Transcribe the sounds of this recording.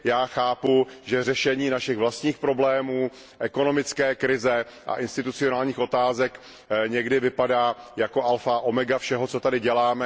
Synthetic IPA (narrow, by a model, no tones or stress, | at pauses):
jaːxaːpuʒɛrɛʃɛɲiːnaʃɪɣvlast̪ɲiːxpɾo̞blɛːmuː | ʔɛko̞no̞mɪt͡skɛːkɾɪzɛʔa̰ʔɪnst̪ɪt̪ut͡sɪo̞naːlɲiːxo̞t̪aːzɛk | ɲɛɡdɪvɪpadaːjako̞ʔalfaʔo̞mɛɡafʃɛɦo̞t͡so̞t̪adɪɟɛlaːmɛ